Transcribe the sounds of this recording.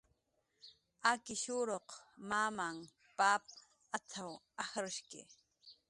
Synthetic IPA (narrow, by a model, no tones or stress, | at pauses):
akɪʃʊɾoqmaːmaŋ | paːp̚ | at͡sʰaw | ahɾʊʃkɪ̰